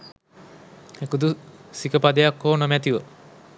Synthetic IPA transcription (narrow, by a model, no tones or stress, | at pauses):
ekud̪usikəpad̪ejɐkːoːnomɛt̪iʋə